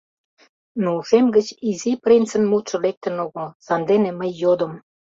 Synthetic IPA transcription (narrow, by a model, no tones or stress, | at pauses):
nouʃemɡət͡ɕiziprint͡sə̆nmut̪ʃɤ̆lek̚t̪ə̆noɣə̆lsɑnd̪eneməjːod̪ə̆m